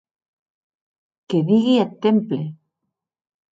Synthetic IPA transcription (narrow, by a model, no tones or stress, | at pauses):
keðiɣiat̪ːemple